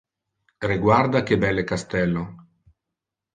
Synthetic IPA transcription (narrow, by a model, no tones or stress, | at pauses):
riɡward̪ak̟ebɛlːekast̪ɛlːo